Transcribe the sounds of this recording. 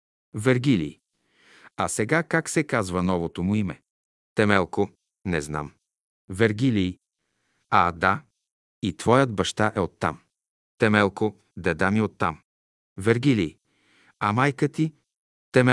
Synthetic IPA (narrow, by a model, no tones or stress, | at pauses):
vɛɾɡʲilḭː | asɛɡakaksɛkazvənɔvot̪omʊimɛ̰ | t̪ɛmɛlˠko | nɛzna̰m | vɛɾɡʲiliː | ad̪a | it̪vɔjəd̪bɐʃt̪aʔɛot̪ːa̰m | t̪ɛmɛlˠko | d̪ɛd̪amiot̪ːam | vɛɾɡili | amajkət̪i | t̪ɛmɛ